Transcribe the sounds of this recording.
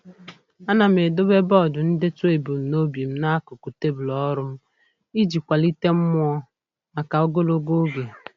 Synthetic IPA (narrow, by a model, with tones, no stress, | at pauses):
a˦na˨m̩e˨do˦be˦bɔ˦˨dʊ˨n̩˦dɪ˦tʊ˦e˨bu˨m̩˨no˦bi˨m̩˦na˦kʊ˨ku˨te˦bu˨lɔ˦ɾʊ˦m̩˦ | i˦d͡ʒi˨kʷa˨li˦te˦m̩˦mʊ˦ɔ˦ | ma˨ka˨o˦ɡo˦lo˦ɡo˦ɡe˨